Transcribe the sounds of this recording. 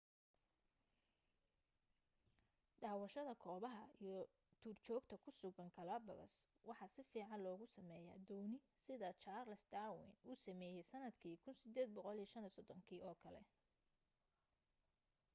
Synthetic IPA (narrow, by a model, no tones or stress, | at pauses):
ɖɑːwɐʃɐðɐkʰɔːβɐɦɐijɔ | t̪ʰuːrt͡ʃɔːɡt̪ʰɐkʰʊsʊɣɐŋkʰɐlɐːbɐɣɐ̰s | wɑħɑsɪfiːʕɑnlɔːɣʊsɐmɛːja̰ːd̪ɔːnɪ | sɪðɐt͡ʃaːrlɐsd̪aːwɪ̰nuːsɐmɛːjɛjsɐnɐd̪kʰiːkʰʊnsɪd̪ɛːd̪̚bɔqɔliʃɐnisɔd̪ɔŋkʰiːʔɔːkʰɐlɛ̰